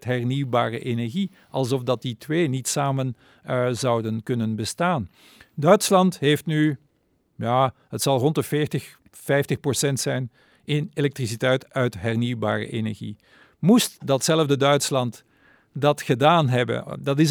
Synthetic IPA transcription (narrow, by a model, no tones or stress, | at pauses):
tɦɛrniwba̰ːrə̰ʔenɛɹɣi | ʔɑlˠzɔfdɑt̚ditweːnitsaːmən | zɑwdənkɵnənbəstaːn | dœɥtslɑntɦeftny | jaːɦətsɑlˠrɔntəfɪːɹtəx | fɛjftəxprɔsɛntsɛjn | ɪnelɛk̚tris̬itɛjtœɥtɦɛrniwba̰ːrə̰ʔenɛ̰ɹɣḭ | mustdɑtsɛləvdədœɥtslɑnt | dɑtxədaːnɦɛbə̰dɑtɪs